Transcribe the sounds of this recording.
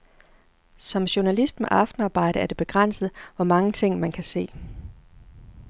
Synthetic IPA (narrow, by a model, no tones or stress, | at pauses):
sɒ̽mɕo̝nælisd̥meʔɑ̈fd̥n̩ɑ̈ːb̥ɑ̈ɪ̰ɾ̥əæɐd̥e̝b̥e̝ɡ̥ʁan̰səð̞̩ˠʋɒmɑ̈ŋət͡sʰe̝ŋ̰mænkʰæse̝̰ː